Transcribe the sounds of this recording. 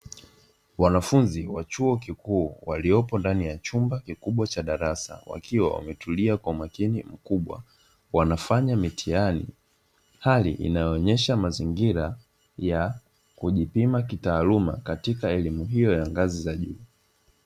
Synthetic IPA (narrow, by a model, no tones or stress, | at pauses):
wanafunziwat͡ʃuɔkikuːwaliɔpɔndanijat͡ʃumbakikuɓwat͡ʃaɗaɾasa̰wa̰kʰiwa̰wa̰mɛtʰuliakwaumakinim̩kuɓwa̰ | wanafaɲamitʰianḭ | halḭʔḭnajɔːɲɛʃamaziŋɡiɾa | ja | kuʄipimakitaːluma̰katikaɛlimuɦijɔjaŋɡazizaʄuː